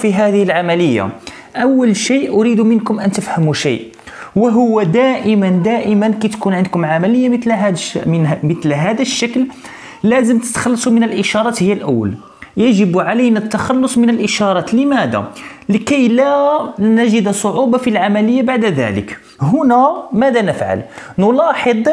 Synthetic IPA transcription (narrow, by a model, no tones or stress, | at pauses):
fiɦæd̪əhəlʕamæləjːa̰ | ʔæwːəlʃijʔʔʊɾid̪umənkʊmʔænt̪əfhæmuʃḭjʔ | wəɦʊwːæd̪æʔəmənd̪æʔəmənkæjt̪kunʕənd̪kʊmʕamæləjːamət̪lɦ̪mət̪lɦæd̪əʃːakl | læzəmt̪ə̥t̪xɑlːɑsˤumənəlʔəʃɑɾˤɑt̪həjːælʔəwːə̰l | jæʒəbʕalənæt̪ːɑxɑlːosˤmənəlʔəʃɑɾˤɑt̪ləmæd̪æ̰ləkæjlænæʒəd̪sˤoʕubɑfilʕamæləjːabaʕd̪d̪æ̰lə̰k | ɦʊnæmæd̪ænəfʕa̰lnʊlɑħəd̪ˤ